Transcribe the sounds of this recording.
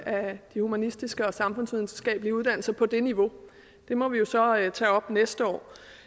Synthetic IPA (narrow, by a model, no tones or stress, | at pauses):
ʔæd̥ihumænisd̥isɡ̥əɒ̽sɑ̈mfɔ̽nsʋiðˠn̩sə̥sɡ̥ɛ̰ːb̥əliəuð̞ˠd̥æn̰l̩sɐpʰɒ̽d̥e̝niʋo̝ | d̥e̝mɒ̽ʋijo̝sɒ̽t͡sʰɛ̰ːɒ̽b̥nesd̥əɒ̰ː